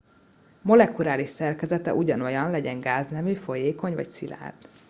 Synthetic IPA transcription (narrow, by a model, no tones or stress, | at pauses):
mo̞lɛkuɾaːliʃsɛrkɛzɛt̪ɛ̰ʔuɟɒno̞jɒnlɛɟɛŋɡaːznɛmyːfo̞jeːko̞ɲvɒ̰csila̰ːd̪